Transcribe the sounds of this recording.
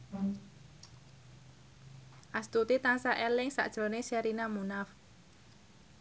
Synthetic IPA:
ʔast̪ut̪it̪ansaʔelɪŋsa̰ʔd̥ʒ̥ɾoneʃɛɾinamunaf

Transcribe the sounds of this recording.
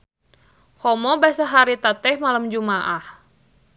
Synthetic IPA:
hɔmɔbasaɦaɾit̪at̪ɛhmalamd͡ʒumaʔah

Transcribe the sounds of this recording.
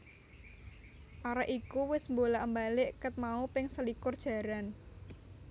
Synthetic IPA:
ʔaɾaʔikuwɪsmbolaʔəmbalɪʔkət̪̚maupɪŋsəlikʊrd̥ʒ̥ä̤ɾan

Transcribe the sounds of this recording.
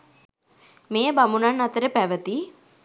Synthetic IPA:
mejəbamunanːat̪əɾəpæʋət̪i

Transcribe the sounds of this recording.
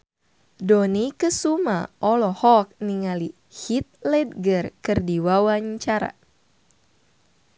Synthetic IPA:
donikəsuma̰ʔɔlɔhɔk̚niŋali | hit̪̚lɛd̚ɡərkɨrdiwawaɲt͡ʃaɾa̰

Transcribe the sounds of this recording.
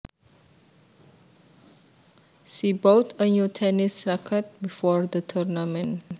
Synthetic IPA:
ʃibotʰənjutʰɛnisɹakʰət̚bifɔɹdətʰɔɹnamə̃n

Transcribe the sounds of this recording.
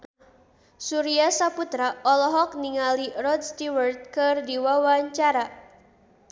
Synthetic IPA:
suɾiasaput̪ɾaɔlɔɦɔk̚niŋalirɔd̪̚st̪iwərt̪̚kɨrdiwawaɲt͡ʃaɾa

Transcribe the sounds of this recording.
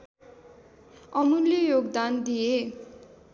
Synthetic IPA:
ʌmuljʌjoɡd̪and̪ije

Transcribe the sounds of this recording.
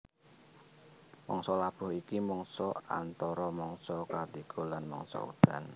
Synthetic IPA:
mɔŋsɔlab̥ʊ̤hikimɔŋsɔa̰nt̪ɔɾɔmɔŋsɔkat̪iɡ̥ʰolanmɔ̰ŋsɔ̰ṵd̪̥a̤n

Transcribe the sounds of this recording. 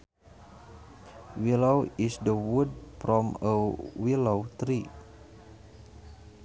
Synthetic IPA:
wilowisdəwud̚fɾɔməwilowt̪ɾi

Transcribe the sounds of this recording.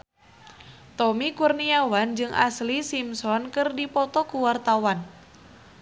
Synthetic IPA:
t̪ɔmikurniawand͡ʒɨŋʔa̰slisimsɔnkɨrdipɔt̪ɔkuwart̪awan

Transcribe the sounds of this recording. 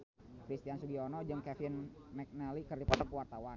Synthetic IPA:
kɾist̪iansuɡiɔnɔd͡ʒɨŋkɛfɪn | mɛk̚nɛlikərdipɔt̪ɔkuwart̪awa

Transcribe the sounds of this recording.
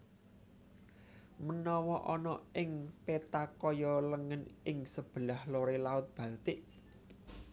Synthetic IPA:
mənɔwɔʔɔnɔɪŋpet̪akɔjɔləŋənɪŋsəb̥ə̤lahloɾelaʊt̪̚b̥ä̤lt̪ɪʔ

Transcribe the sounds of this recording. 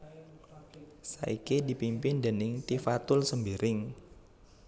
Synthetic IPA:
sa̰ikidi̤pimpɪnd̪ənɪŋt̪ifat̪ʊlsəmbiɾɪŋ

